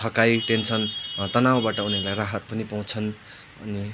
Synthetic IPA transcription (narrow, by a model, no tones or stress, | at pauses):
ʌkajʈent͡sʰʌnt̪ʌnaw̃baʈʌunielajraɦʌt̪̚pʌnipaw̃t͡sʰʌn | ʌ̰ni